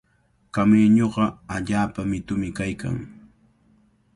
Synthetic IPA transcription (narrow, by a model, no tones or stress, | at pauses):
kameːɲoɢɑaʎaːpamɪt̪ʊmɪkajka̰ŋ